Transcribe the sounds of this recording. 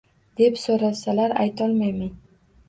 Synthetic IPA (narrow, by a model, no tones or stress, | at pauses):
d̪̥epsoɾasalaɾa̰jt̪ɒlmajmaj